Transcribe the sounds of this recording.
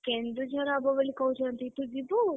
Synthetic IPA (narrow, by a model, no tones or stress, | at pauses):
kẽnd̪ud͡ʒaɾabəʋəlikəɦũt͡ʃʰət̪it̪uɡibu